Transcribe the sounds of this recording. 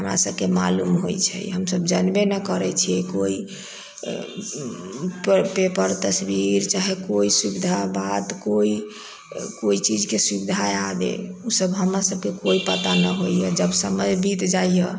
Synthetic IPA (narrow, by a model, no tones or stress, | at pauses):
ɦəmɾa̰səbkema̰lumɦojt͡ʃʰɛ̰jɦəmsəbd͡ʒənbenɛkəɾɛt͡ʃʰiɛkoi | ppepəɾt̪əsbiɾt͡ʃaɦekoiswubid̪ʱabat̪koi | koit͡ʃid͡ʒkeswibid̪ʱaeabḛusəbɦəmɾasəbkekoipət̪anəɦojjɛd͡ʒəbsəməd͡ʒbit̪d͡ʒajjə